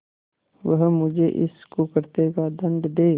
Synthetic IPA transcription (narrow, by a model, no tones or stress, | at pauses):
ʋəɦmʊd͡ʒʱeʔɪ̰skokɐɾt̪ekad̪ɐ̃nɖ̪d̪eː